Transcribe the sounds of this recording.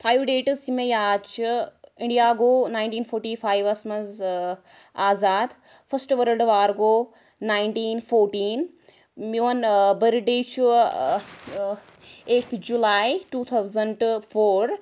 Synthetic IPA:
pʰaːjʋɖeːʈsimejaːt͡ʃʰĩɳɖijaːɡoːnaːjnɳʈiːnfʰoːɾʈiːfʰaːjʋɐsmɐz | aːzaːd̪ | fʰɐsʈʋɐɾəlɖʋaːɾɡoː | naːjɳʈiːnfoːɾʈiːn | miɐnbɐɾɖeːt͡ʃʰu | eːʈt̪ʰd͡ʒulaːjʈuːt̪ʰɐwzɐɳɖfʰoːɾ

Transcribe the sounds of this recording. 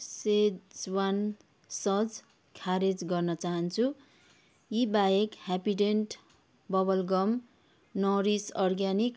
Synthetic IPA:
sed͡zwan | sʌd͡z | kʰaɾed͡zɡʌrnʌt͡saɦʌnt͡sʰu | jibajekhapiɖenʈ | bʌbʌlɡʌm | nʌɾisʌrɡanik

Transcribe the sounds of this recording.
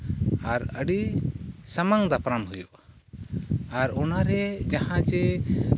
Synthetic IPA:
aɾəɖisamaŋd̪apɾamɦujɔʔ | aɾɔnaɾɛd͡ʒahãd͡ʒɛ

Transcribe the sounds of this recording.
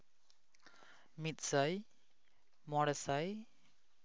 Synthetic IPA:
mit̪̚səj | mɔɽɛsəj

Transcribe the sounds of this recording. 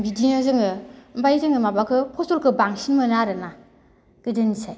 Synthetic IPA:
bidinɯzɯŋɯmbajzɯŋɯmabakʰɯpʰɔstɔlkʰɯbaŋsinmɯnaɾɯna | ɡ̥ɯdɯnisaj

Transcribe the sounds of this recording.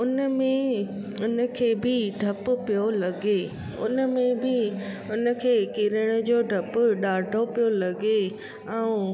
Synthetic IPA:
ʊnəmẽ | ʊnəkʰeːbɪɖʱɐpʊ̆pijolɐɡe | ʊ̰nə̆mẽbɪ | ʊnə̆kʰeːkɪɾəɽ̃ʊ̆d͡ʑoːɖʱɐpʊɗaːɖʱopijolɐɡe | ɛ̃ũ

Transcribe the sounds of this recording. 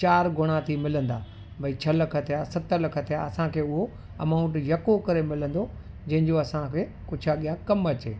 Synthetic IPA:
t͡ɕaːɾɡʱʊɽ̃at̪ʰimɪlə̃nd̪aː | bʱɐit͡ɕʰɐlɐkʰət̪ijasɐt̪əlɐkʰət̪ija̰ɐsãkʰeːʊɦo | ɐmaːʊ̃ɳʈjɐkokɐɾemɪlə̃nd̪o | d͡ʑɐ̃ɦɪ̃ɲd͡ʑoɐsãkʰeː | kʊd͡ʑʱʰaɠijãkɐmɐt͡ɕḛː

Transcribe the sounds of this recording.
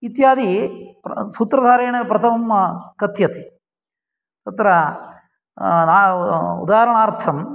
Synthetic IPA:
it̪jaːd̪ipsuːt̪ɾɐd̪ʱaːɾeːɳɐpɾɐt̪ʰɐmkɐt̪jɐt̪i | t̪ɐt̪ɾɐ | naːṵd̪aːɐɾɐɳaːɾt̪ʰɐm

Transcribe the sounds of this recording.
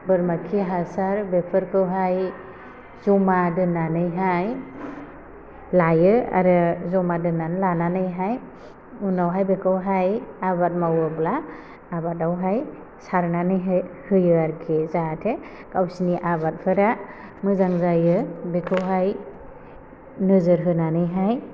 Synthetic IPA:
bɯɾmakʰiɦasaɾbepʰɯɾkʰɯwɦaj | zɔmadɯnanɯjɦaj | lajɯa̰ɾɯzɔmadɯnanlananɯjɦaj | unawɦajbekʰɯwɦajaβat̚mawɯblaː | batawɦaj | saɾnanɯjɦahɯjɯaɾkʰezatʰe | kawsiniʔaβat̚pʰɯɾa | mɯzaŋzajɯbekʰɯwɦaj | nɯzɯɾɦɯnanɯjɦaj

